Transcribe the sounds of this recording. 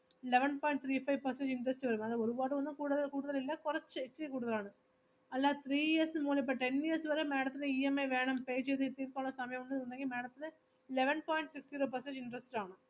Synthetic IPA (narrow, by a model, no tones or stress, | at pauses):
ɪlɛʋɛnpaːɪɳʈ̚t̪ʰɾiːpɐɪʋpɐɾsɛɳʈɪɳɖɾɐsʈʋɐɾɯmɐðɐɔɾɯʋaːɽɯʋɐnd̪ɯ̃kuːɽɐðɐlkuːɽɯðɐlɪlːɐkʊɾɐt͡ʃːɨɛʈːɾikuːɽɯðɐlaːnɐ̃ | ɐlːaːt̪ʰɾiːjiɐɾsmuːlip̬ːɐʈɛnijɐɾsʋɐɾɐmeːɽɐt̪ːɪnɐiːɐmeɐɪʋeːɳɐmpeːd͡ʒɐðɯt̪iːɾkaːnɐsɐmɐjɐ̃mʊnːɐðɯʊnd̪aːŋkimeːɽɐt̪ːɪlɐ | ɪlɛʋɛnpaːɪɳʈsɪksʈiɾoːpɐɾsɛ̃nʈɪɳɖɾɐsʈaːnɐ̃